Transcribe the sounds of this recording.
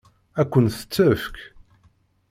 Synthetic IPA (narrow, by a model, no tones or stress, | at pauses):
ækʷːənθə̥t͡sːəfk